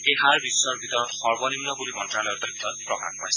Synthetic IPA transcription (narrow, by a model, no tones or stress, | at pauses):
keɦaɹbisːɔɹbʱit̪ɔɹɔt̪xɔɹbɔnimnɔkulimɔntɹalɔjɔt̪ɔbʱit̪ɔɹɔt̪̚pɹɔka̰npajs